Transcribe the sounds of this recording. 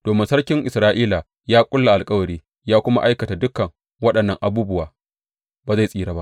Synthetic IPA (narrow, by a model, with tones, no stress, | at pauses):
d̥oː˨mɪ˦nsɐ˦rkʲɪ˦ŋʔɪ˨sɾaː˦ʔiː˦la˨ | jaː˦kʷʼʊ˦lːa˨ʔa˨lkʼɐ˦wɐ˨ɾiː˦ | jaː˦kʷʊ˦ma̰˦ʔa˦jkɐ˨ta˨dʊ˦kɐ˨ŋ | wɐ˦ɗɐ˨nːɐ˨ŋʔa˨buː˦bʊ˦waː˨ | baː˨za˦˨sʼiː˦˨ɾaː˨ba̰˦ʔ